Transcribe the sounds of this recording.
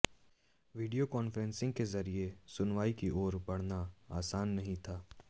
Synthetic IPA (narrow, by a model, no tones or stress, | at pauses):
ʋiːɖijokɔːnfɾɛ̃nsɪ̃ŋɡ̚kezɐɾiesʊnʋaːikiʔɔːɾbɐɽ̤naaːsaːnːɐɦĩt̪ʰaː